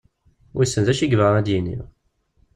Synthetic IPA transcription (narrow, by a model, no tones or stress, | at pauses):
wisːənzæʃiɡvəʁæd̪jinḭʁ